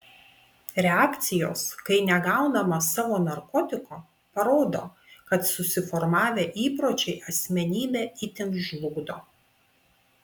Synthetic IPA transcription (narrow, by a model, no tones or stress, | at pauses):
ɾʲɛaːkt̪sʲɪjoːskɐɪnʲɛɡɑˑʊnɐmɐsɑːʋoːnɐɾkɔt̪ʲɪkoː | pɐɾoːd̪o̰ː | kɐt̪sʊsʲɪfɔɾmɑːʋʲeːʔiːpɾoːt͡ʃʲɛɪʔɐsʲmʲɛnʲiːbʲɛːit̪ʲɪŋkʒʲlˠʊɡd̪oː